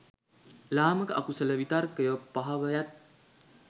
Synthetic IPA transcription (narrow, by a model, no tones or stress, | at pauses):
laːməkəʔakusələʋit̪arkəjəpːaɦaʋəjat̪̚